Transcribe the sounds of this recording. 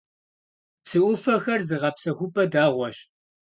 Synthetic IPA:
psɨʔʷʊfɐxɐrzɨʁɐpsɐxʷʊpʼɐdaːʁʷɔɕ

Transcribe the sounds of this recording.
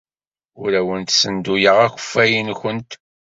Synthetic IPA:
ʊɾæwənt̪sənd̪ujəʁæxʷə̥fːæjənçənt̪

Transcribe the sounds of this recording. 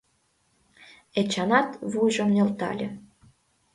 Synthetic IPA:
et͡ɕɑnɑt̪βujʒŏmnʲø̆lt̪ɑ̰lʲĕ

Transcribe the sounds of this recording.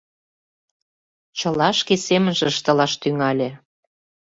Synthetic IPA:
t͡ɕə̆lɑʃkesemənʒeəʃt̪ə̆lɑʃt̪yŋɑlʲĕ

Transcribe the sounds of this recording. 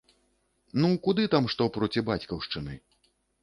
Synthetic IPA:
nukud̪ɨt̪amʂt̪ɔpɾɔt͡sʲibat͡sʲkɐwʂt͡ʂɨnɨ

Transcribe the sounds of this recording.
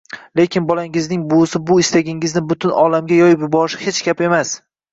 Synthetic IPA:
lekʲʰɪnbɒlaŋɪznɪŋbʊsɪbʊɪst̪aɡʲɪŋɪznɪbʊt̪ʰʊnɒlamɡʲajɒjɪpjʊbɒɾɪʃɪ̥het͡ʃɡʲape̞mas

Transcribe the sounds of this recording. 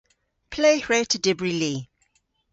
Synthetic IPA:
pʰleːɹetʰədɪbɹiliː

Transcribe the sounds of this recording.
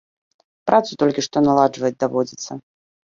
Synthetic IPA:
pɾat̪sut̪ɔlʲkʲiʂt̪ɔnalˠad͡ʐʐvɐjɛd͡zʲd̪avɔd͡zʲit̪sːɐ

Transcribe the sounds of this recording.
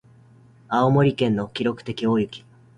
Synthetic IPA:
aomo̞ɾʲikẽ̞nːo̞kʲiɾo̞kɯ̟̥t̪e̞kʲioːjɯ̟kʲi̥

